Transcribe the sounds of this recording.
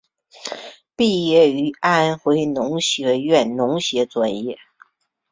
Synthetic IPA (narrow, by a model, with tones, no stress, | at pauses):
pi˥˧jɛ˥˩y˧˥a˥˩˥nxwe˧˥ɪnʊ˧˥ŋɕjɛ˧˥ɥɛ˥˩nnʊ˧˥ŋɕjɛ˧˥t͡swa˨˩njɛ˥˩